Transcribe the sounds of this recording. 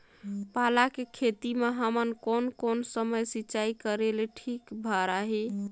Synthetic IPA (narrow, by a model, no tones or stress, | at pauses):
palakekʰet̪imeɦəmənkonkonsəməjsiːt͡ʃaikəɾeleʈʰikbʱaɾaɦi